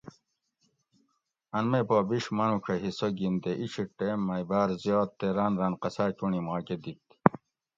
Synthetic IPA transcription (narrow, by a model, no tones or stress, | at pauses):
ɐnmepoːbiɕmɐnukʰɐɦisoɡind̪eʔiɕiʈeːmːɐjbaːɾzjoːt̪ːeɾaːnɾanqɐsaːkunimaːked̪ik̚t̪